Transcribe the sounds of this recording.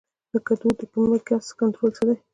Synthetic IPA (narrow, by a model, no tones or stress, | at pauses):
d̪̥əkat̪ut̪əkumlakaskant̪ɾolsəd̪a